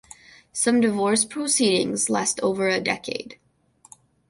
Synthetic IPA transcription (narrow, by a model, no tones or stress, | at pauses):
sʌ̃mdɨvɔɹspʰɹ̥oʊsiɾɪ̰̃ŋzlæstʰoʊvə˞ɨdɛ̰kʰḛɪd̥